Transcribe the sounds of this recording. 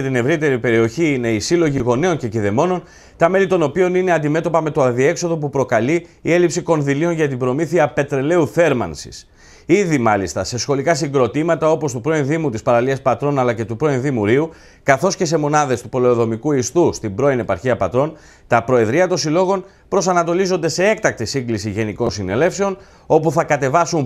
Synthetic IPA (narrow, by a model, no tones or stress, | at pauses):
et̪ine̞vɾit̪e̞ɾipe̞ɾio̞çiːne̞isilo̞ʝiɣo̞ne̞o̞nceciðe̞mo̞no̞n | t̪ɐme̞lit̪o̞no̞pio̞nine̞ɐnd̪ime̞t̪o̞pɐme̞t̪oɐðie̞kso̞ðo̞pupɾo̞kɐliːe̞lipsiko̞nðilio̞nʝɐt̪ibɾo̞miθiɐpe̞t̪ɾe̞le̞uθe̞ɾmɐ̰nsi̥̰s | iðimɐlist̪ɐse̞sxo̞likɐsiŋɡɾo̞t̪imɐt̪ɐo̞po̞st̪upɾo̞inðimut̪ispɐɾɐliɐspɐt̪ɾo̞nɐlɐce̞t̪upɾo̞inðimuɾiu | kɐθo̞sce̞se̞mo̞nɐðe̞st̪upo̞leoðo̞mikuist̪ust̪imbɾo̞ine̞pɐɾçiɐpɐt̪ɾo̞n | t̪ɐpɾo̞e̞ðɾiɐt̪o̞nsilo̞ɣo̞n | pɾo̞sɐnɐt̪o̞lizo̞nd̪e̞se̞e̞kt̪ɐk̚t̪isiŋɡlisiʝe̞niko̞nsine̞le̞fse̞o̞n | o̞puθɐkɐt̪e̞vɐsun